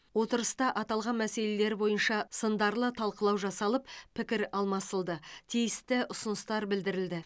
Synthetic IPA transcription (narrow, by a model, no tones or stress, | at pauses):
wo̞t̪əɾəst̪ɑʔɑt̪ɑlˠʁɑnmæse̞le̞le̞ɾbo̞jənʃɑsənd̪ɑɾlˠət̪ʰɑlˠqəlˠɑwʒɑsɑlˠəppʰːɪkʲɪɾɑlˠmɑsəlˠd̪ət̪ʰijɪst̪ɪʔʊsʊnəst̪ɑɾbɪld̪ɪɾɪld̪ɪ